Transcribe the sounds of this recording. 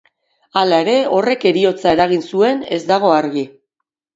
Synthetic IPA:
alae̞ɾe̞o̞re̞ke̞ɾio̞t͡sae̞ɾaɣ̞insue̞ne̞̰zd̪aɣ̞o̞aɾɣi

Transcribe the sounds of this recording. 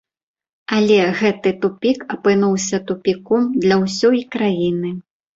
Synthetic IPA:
alʲɛɣɛt̪ɨt̪upʲikɐpɨnuwsʲɐt̪upʲikɔmd̪lʲɐwsʲɔjkɾajinɨ

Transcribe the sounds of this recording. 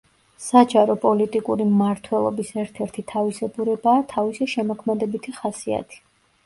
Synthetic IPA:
sad͡ʒaɾɔpʼɔlit̪ʼikʼuɾimmaɾt̪ʰwɛlˠɔ̰bisɛɾt̪ʰɛɾt̪ʰit̪ʰavisɛɡuɾɛbaːt̪ʰavisiʃɛmɔkʰmɛd̪ɛbit̪ʰiχasia̰t̪ʰi̥

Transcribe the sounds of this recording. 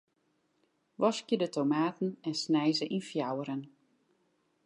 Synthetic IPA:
ʋɔskjədətʰomaːtn̩ɛnsnɛjzəʔinfjawəɾən

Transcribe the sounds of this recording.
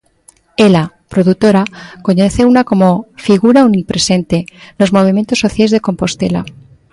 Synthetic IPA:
ela | pɾo̞ðut̪o̞ɾako̞ɲeθeunako̞mo̞fiɣ̞uɾaunipɾe̞se̞nt̪elo̞zmo̞β̞imje̞nt̪o̞sːo̞θjaezðeko̞mpo̞st̪e̞̰la̰

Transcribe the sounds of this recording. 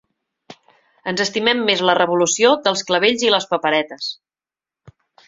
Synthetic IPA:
ənzəst̪imɛmːezlərəβulusiod̪əlˠskləβeʎziləspəpəɾɛt̪əs

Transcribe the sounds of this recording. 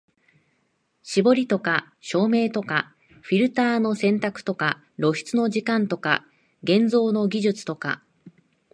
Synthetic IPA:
ɕibo̞ɾʲit̪o̞ka | ɕo̞ːme̞ːt̪o̞ka | ɸʲiɾɯ̟t̪aːno̞sẽ̞nt̪akɯ̟̥t̪o̞ka | ɾo̞ɕi̥t͡sɨno̞ʑikãnt̪o̞ka̰ | ɡẽ̞nd͡zo̞ːno̞ɡʲiʑɨt͡sɨ̥t̪o̞ka̰

